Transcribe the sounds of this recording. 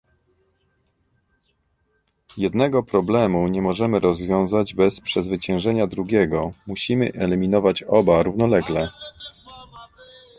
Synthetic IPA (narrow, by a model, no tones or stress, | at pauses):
jɛd̪nɛɡɔpɾɔblɛmuɲɛmɔʐɛmɘɾɔzvʲjɔ̃w̃zad͡ʑbɛspʂɛzvɘt͡ɕɛ̃w̃ʐɛɲad̪ɾuɡʲjɛɡɔmuɕimɘ̰ʔɛlʲimʲinɔvat͡ɕɔbaɾuvnɔlɛɡlɛ